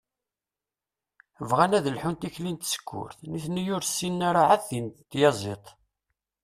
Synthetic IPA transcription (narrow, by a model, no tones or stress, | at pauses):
əvʁænæðəlħunt̪içlint̪sə̥kʰːʊ̰ɾθniθnəjʊɾsːinːaɾaʕaθint̪ːjɑzˤet̪ˤ